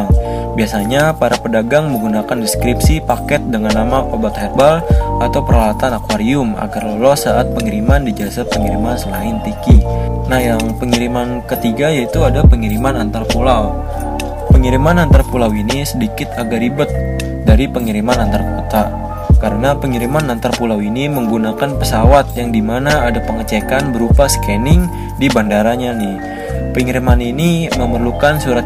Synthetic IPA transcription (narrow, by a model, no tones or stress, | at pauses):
ŋ | biasaɲapaɾapədaɡaŋməŋɡunakandɛskɾipsipakɛt̪̚dəŋanːamaʔobat̪hɛr̚balat̪awpəɾalat̪anakwaɾiʊma̰ɡarləlɔsaʔat̪̚pəŋiɾimandid͡ʒasat̪̚pəŋiɾimansəlaɪnt̪ikinahjaŋpəŋiɾimankət̪iɡajait̪uadalpəŋiɾimanant̪arpulaw | pəŋiɾimanant̪arpulawinisədikɪt̪aɡaɾibʊt̪̚ | daɾipəŋiɾimanant̪arakot̪a | kaɾənapəŋiɾimanant̪arpulawiniməŋɡunakanpəsawat̪̚jaŋdimanaːdapəŋət͡ʃekanbəɾupasə̥kɛnɪŋ | dibandaɾaɲanɪh | pəŋiɾimaniniməmərlukansuɾat̪̚